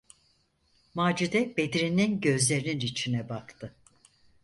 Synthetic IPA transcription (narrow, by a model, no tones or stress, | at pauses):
maːd͡ʒid̪ɛbed̪ɾininɟø̞zlʲe̞ɾininɾit͡ʃʰinɛbakt̪ʰɯ